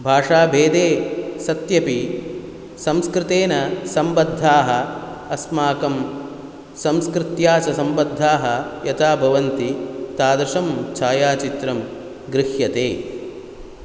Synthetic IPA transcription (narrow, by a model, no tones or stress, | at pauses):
bʱaːʂaːbʱeːd̪eːsɐt̪jɐpi | sɐmskɾɪt̪eːnɐsɐmbɐd̪ʱːaːɦɐ | ɐsmaːkɐm | sɐmskɾɪt̪jaːt͡ʃɐsɐmbɐd̪ʱːaːɦɐjɐt̪ʰaːbʱɐʋɐnt̪it̪aːd̪ɾɪʂɐmt͡ʃʰaːjaːt͡ʃit̪ɾɐm | ɡɾɪʃjɐt̪eː